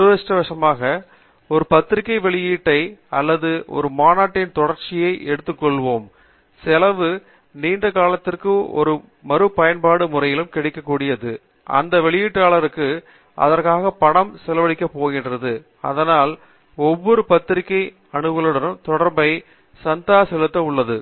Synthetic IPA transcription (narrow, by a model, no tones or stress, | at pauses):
eːʂʈɐʋɐʂɐmaːɣɐ | ɔɾɯpɐt̪ːɪɾɪkːɐɪʋɛɭɪjiːʈːɐɪɐlːɐðɯʔɔ̰ɾɯmaːnaːʈːɪnt̪ɔɽɐɾt͡ʃɪjɐɪʔɛɽɯt̪ːɯkːɔɭʋoːm | sɪlɐʋɯ | niːnɖɐkaːlɐt̪ːɪrkɯɔ̰ɾɯ | mɐɾɯpːɐjɐnpaːɽɯmʊrɐjɪlɯmkɪɽɪkːɐkːuːɽɪjɐðɯ | ʔɐ̰nd̪ɐʋɛɭɪjiːʈːaːlɐɾɯkːɯ | ɐ̰ðɐɾkaːɣɐpɐɳɐmsɛlɐʋɐɭɪkːɐpːoːɣɪndrɐðɯ | ɐ̰ðɐnaːl | ɔʋːɔɾɯpɐt̪ːɪɾɪkːɐɪ | ɐɳɯʋɐlɯɽɐnɯmt̪ɔɽɐɾmbɐɪ | sɐnt̪aːsɛlɯt̪ːɐʊɭːɐðɯ